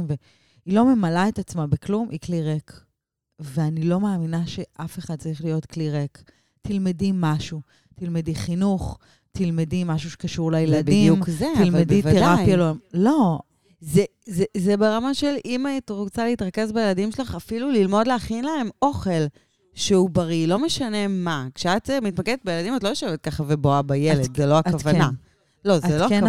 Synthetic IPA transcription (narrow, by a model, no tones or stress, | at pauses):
mve | ilo̞me̞malaetat͡smabeklumʔikliʁek | veanilo̞maːminaʃe̞ʔafe̞χad̪̚t͡saʁiχlijo̞t̪kliʁek | t̪ilmedimaʃu | t̪ilmediχinuχ | t̪ilmedimaʃ̬uʃe̥kaʃuʁlejeladiumzet̪ilmedivt̪eʁapjalomlo̞ | ze | zezebeʁamaʃe̞limait̪ʁot͡saleit̪ʁake̞zbejeladimʃelaχafilulilmo̞dleaχinlae̞mo̞χe̞l | ʃeubɐʁilo̞meʃane̞makʃeat̪mit̪makɛd̪et̚bejeladimatlojoʃoevet̪̚kaχaveboabajeled̪zeloaavana | lo̞zelon